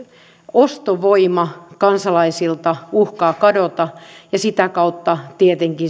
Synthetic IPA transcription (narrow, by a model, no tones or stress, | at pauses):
ost̪oʋoimɑkɑnsɑlɑisilt̪ɑuhkɑːkɑdot̪ɑjɑsit̪ækɑut̪ːɑt̪iet̪eŋki